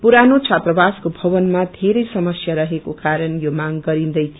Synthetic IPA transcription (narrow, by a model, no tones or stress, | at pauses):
puɾanot͡sʰat̪rʌbaskobʱʌβʌnmad̪ʱeɾʌjsʌmʌsjaɾʌɦekokaɾʌnjomaŋɡʌɾind̪ʌjt̪ʰio